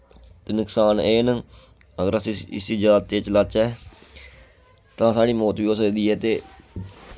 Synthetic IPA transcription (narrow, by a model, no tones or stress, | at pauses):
t̪eːnɪksaːneːnə | əɡəɾəsĩɪ̰siːd͡ʒaːt̪ːeːt͡ʃlat͡ʃɛː | t̪ãːsaːɽiːmɔːt̪ʋiːoːsəkd̪iːɛːt̪eː